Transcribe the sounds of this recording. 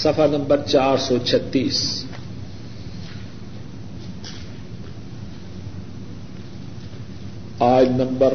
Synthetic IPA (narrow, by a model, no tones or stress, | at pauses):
sɐfanɐmbərt͡ʃarsot͡ʃʰɐt̪ːis | ajnɐmbə